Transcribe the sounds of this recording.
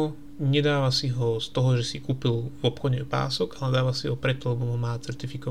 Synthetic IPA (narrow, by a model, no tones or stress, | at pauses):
ɲɛd̪aːʋasiɦɔst̪ɔɦɔʒɛsikuːpilvɔpxɔɟɛpa̰ːsɔɡalɛd̪aːʋasiɦɔpɾɛt̪ːɔlɛbɔmɦɔmaːt͡sɛɾt̪ifikɔ